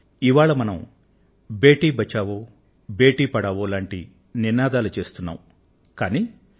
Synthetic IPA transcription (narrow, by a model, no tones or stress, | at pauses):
iʋaːɭɐmɐnɐm | be̞ːʈiːbɐt͡ʃːaːʋoː | be̞ːʈiːpɐɽaːʋoːlaːɳʈḭ | ninaːd̪aːlut͡ʃe̞ːst̪unːa̰ːm | kaːniː